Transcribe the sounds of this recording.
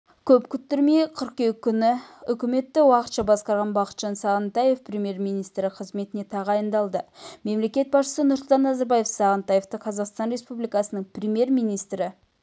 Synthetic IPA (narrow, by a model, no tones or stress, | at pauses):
kʲʰɵpkʲʰʏt̪ːɪɾmejqʰəɾq̚kʲekʲʰːʏnɪʏkʲɪme̞t̪ːɪwɑqət̪ʃɑbɑsqɑɾʁɑnbɑqə̥t̪ʒ̥ɑnsɑʁənt̪ɑje̞fpʰɾʲemʲje̞ɾmijnijst̪ɾɪqʰəzme̞t̪ɪne̞t̪ʰɑʁɑjənd̪ɑlˠd̪əme̞mle̞kʲe̞t̪̚bɑsʃə̥sənʊɾsʊlˠt̪ɑnːɑzɑɾbɑje̞fsɑʁənt̪ɑje̞ft̪əqʰɑzɑqst̪ɑnre̞spublijkɑsənəɴprʲemje̞ɾmijnijst̪ɾɪ